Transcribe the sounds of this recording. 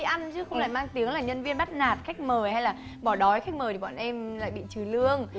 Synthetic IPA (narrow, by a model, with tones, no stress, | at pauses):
i˧˨ʔa˧nt͡ɕɨ˨˦xə˧wla̰ː˧˨jmaː˧ŋt̪i˨˦əŋlaː˨˩ɲə˧nvi˧ənɓa˦˥t̚naː˨˩t̚xa˦˥k̚məː˨˩jha˧jlaː˨˩ | ɓɔ˧˩ɗɔ˨˦jxa˦˥k̚məː˨˩t̪i˨˩ɓa̰ː˧˨nʔɛ˧mla̰ː˧˨jɓḭ˧˨t͡ɕɨ˨˩lɨ˧əŋ